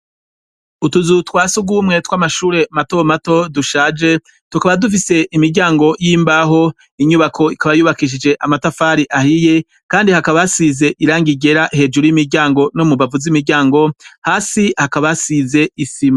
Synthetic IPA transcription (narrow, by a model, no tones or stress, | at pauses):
utuzutwaːsuɡuːmŋe̞twaːmaʃuːɾe̞matomato̞duʃaːd͡ʒe̞ | tukaβadufise̞ʔimiɾɟaːŋɡo̞jiːmbaɦo̞ | iɲuβakʰo̞ikaβajuːβakiʃ̬id͡ʒe̞ʔamatafaːɾiʔahije̞ | kaːndihakaβasize̞ʔiɾaːŋɡiɡe̞ɾaʔhe̞d͡ʒuɾujimiɾɟaːŋɡo̞nomuβavuzimiɾɟaːŋɡo̞haːsihakaβasize̞isima